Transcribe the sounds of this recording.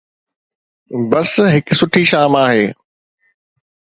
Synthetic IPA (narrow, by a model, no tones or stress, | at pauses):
bɐsɦɪksʊʈʰiʃaːmaːɦeː